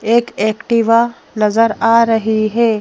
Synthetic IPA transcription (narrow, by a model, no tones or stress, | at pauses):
eːkeːkʈiʋa | nɐzəɾaːɾɐɦiɦeː